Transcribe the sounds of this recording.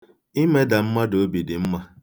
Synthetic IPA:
i˦me˦da˨m̩˦ma˦do˨˦bi˨dɪ˨m̩˦ma˦

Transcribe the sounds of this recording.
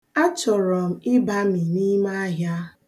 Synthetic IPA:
a˦t͡ʃɔ˨ɾɔ˨m̩˨ɪ˦ba˦mi˨ni˦ma˦a˦ɦja˦

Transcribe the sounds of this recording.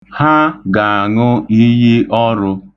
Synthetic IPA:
ha˦ɡa˨a˨ŋʊ˦i˦ji˦ʔɔ˦ɾʊ˧

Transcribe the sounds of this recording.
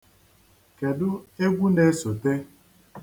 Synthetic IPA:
ke˨dʊ˦e˦ɡʷu˦ne˦so˨te˦

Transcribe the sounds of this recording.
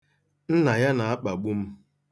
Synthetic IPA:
n̩˦na˨ja˦na˨a˦k͡pa˨ɡ͡bu˦m̩˦

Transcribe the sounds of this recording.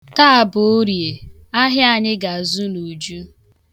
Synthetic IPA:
ta˦a˨bʊ˨o˦ɾje˨ | a˦ɦɪ˦a˦˨ɲɪ˦ɡa˨zu˦nu˨d͡ʒu˦

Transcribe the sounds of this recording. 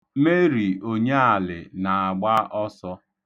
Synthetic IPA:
me˦ɾi˨o˨ɲe˦a˨lɪ̰˨na˨a˨ɡ͡ba˦ʔɔ˦sɔ˦

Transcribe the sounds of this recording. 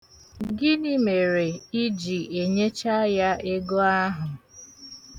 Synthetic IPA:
ɡɪ˦nɪ˦me˨ɾe˨i˦d͡ʒi˨e˨ɲe˦t͡ʃa˦ja˦e˦ɡo˦a˦ɦʊ˨

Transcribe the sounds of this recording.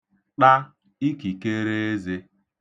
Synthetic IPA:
k͡pa˦ | i˦ki˨ke˦ɾe˦e˦ze˦

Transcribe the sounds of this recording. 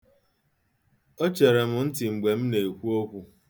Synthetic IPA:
o˦t͡ʃe˨ɾe˨mʊ˨n̩˦tɪ˨ŋ͡m̩˨ɡ͡be˨m̩˦ne˨i˨kʷu˦o˦kʷu˦

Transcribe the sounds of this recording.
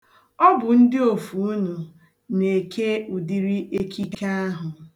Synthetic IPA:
ɔ˦bʊ˨n̩˦dɪ˦o˨fu˨u˦nu˨ | ne˨kʰe˦u˨di˦ɾi˦ʔe˦kʰi˦ka˦a˦ɦʊ˨

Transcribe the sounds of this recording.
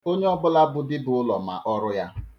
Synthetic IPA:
o˦ɲe˦ɔ˦bʊ˦la˦bʊ˦dɪ˦bʊ˨ʊ˦lɔ˨ma̰˨ʔɔ˦ɾʊ˦ja˦

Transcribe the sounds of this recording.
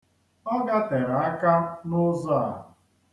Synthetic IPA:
ɔ˦ɡa˦te˨ɾa˨a˦ka˦nʊ˦zɔ˦a˨ɦʊ˨

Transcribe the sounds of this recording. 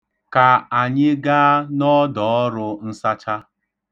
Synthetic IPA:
ka˨a˨ɲɪ˦ɡa˦a˦nɔ˦dɔ˨ɔ˦ɾʊ˦n̩˦sa˦t͡ʃa˦

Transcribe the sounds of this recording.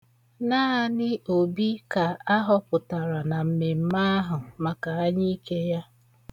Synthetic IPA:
naː˦a˨nɪ˦ʔo˨bi˦ka˨a˦ɦɔ˦pʊ˨ta˨ɾa˨na˨m̩˨me˨m̩˦ma˦a˦ɦʊ˨ma˨ka˨a˦ɲɪ˦ke˦ja˦

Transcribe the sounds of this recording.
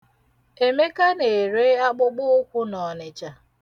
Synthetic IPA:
e˨me˦ka˦ne˨ɾe˦a˦k͡pʊ˦ɡ͡bʊ˦kʷu˦nɔ˨nɪ˨t͡ʃa˨

